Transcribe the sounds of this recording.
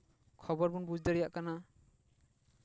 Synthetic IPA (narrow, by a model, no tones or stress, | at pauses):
kʰɔbɔɾbunbud͡ʒd̪ɛɾɛjaʔkana